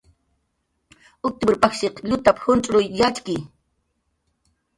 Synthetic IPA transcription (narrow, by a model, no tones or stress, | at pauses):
ʊk̚t̪ɪbʊɾpaχʃeqʎʊt̪aphʊnt͡ʃʼɾʊjːat͡ʃkɪj